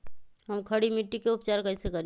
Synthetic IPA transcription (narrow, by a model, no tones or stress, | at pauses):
ɦəmkʰəɽimiʈːikeʊpt͡ʃaːɾkɐɪsekɐɾ